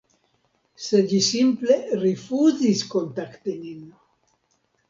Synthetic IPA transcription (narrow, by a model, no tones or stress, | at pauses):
seʎisimple̞ɾifuziskont̪akt̪inin